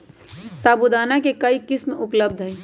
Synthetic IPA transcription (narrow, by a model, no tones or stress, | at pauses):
saːbud̪aːnakekəikɪsmeʔupləbd̪ʱɦəj